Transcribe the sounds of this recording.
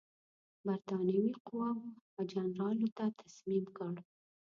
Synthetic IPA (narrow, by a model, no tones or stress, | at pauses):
baɾt̪ɑnawiqʊwɑwad͡ʒanɾɑlot̪at̪ʰasmimkəɽ